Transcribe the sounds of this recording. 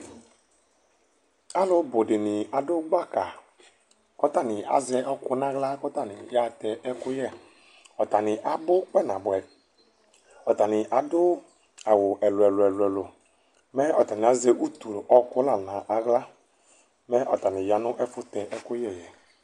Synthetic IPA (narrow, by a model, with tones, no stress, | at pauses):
a˦lʊ˦bo˨dɪ˨nɪ˨a˨dʊ˦ɡ͡ba˦ka˨ | kɔ˦ta˦˨nɪ˨a̰˨zɛ˦ʔɔ˦kʊ˦nã˦ɣla˦kɔ˦t̪a˦˨nɪ˨ja˨˦tɛ˨ʔɛ˦kʊ˦jɛ˦˨ | ɔ˨ta˨nɪ˨ʔa˨bʊ˦k͡pɛ˦nã˨bʊ˨ɛ˨ | ɔ˨ta˨nɪ˨ʔa˨dʊ˦ | a˨wʊ˨ʔɛ˨lʊ˨ɛ˨lʊ˨ɛ˨lʊ˨ɛ˨lʊ˨ | mɛ˦ɔ˨ta˨nɪ˨a˨ze˦ʔu˦tu˨lʔɔ˦kʊ˦la˨nã˨ʔa˨ɣla˦ | mɛ˦ʔɔ˨ta˨nɪ̃˨ja˨˦nʊ̃˦ʔɛ˦fʊ˦t̪ɛ˨ʔɛ˦kʊ˦jɛ˦˨jɛ˨